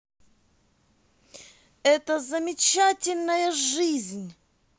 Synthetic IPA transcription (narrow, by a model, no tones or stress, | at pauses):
ɛt̪əzəmʲɪt͡ɕatʲɪlʲnəjəʐɨzʲnʲ